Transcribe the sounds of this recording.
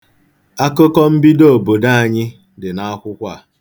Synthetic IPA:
a˦kʊ˦kɔ˦m̩˦bi˦do˦˨bo˨da˦a˨ɲɪ˦ | dɪ˨na˦a˦kʷʊ˦kʷa˦˨

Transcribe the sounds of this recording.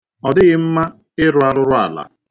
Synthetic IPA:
ɔ˨dɪ˦ɣɪ˦m̩˦ma˦ | ɪ˦ɾʊ˨a˦ɾʊ˦ɾʊ˦a˨la̰˨

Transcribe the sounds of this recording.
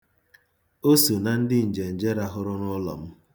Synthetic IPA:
o˦so˨na˨n̩˦dɪ˦n̩˨d͡ʒe˨n̩˨d͡ʒe˦ɾa˦ɦʊ˦ɾʊ˦nʊ˦lɔ̰˨m̩˦

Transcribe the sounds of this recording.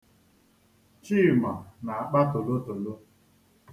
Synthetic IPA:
t͡ʃi˦˨ma˨na˨a˨k͡pa˦to˨lo˦to˨lo˦

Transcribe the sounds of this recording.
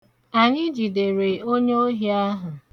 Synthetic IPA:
a˨ɲɪ˦d͡ʒi˨de˨ɾe˨o˦ɲe˦o˦ɦi˨˦a˦ɦʊ˨

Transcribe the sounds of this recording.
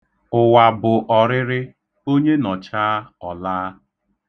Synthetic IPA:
ʊ˨wa˨bʊ˨ʔɔ˨ɾɪ˦ɾɪ˦ | o˦ɲe˦nɔ˨t͡ʃaː˦ɔ˨laː˦

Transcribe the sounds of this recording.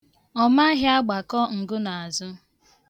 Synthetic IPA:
ɔ˦ma˦ɦɪ˦a˦ɡ͡ba˨kɔ˦ŋ̩˨ɡʊ˦na˨a˨zʊ˦

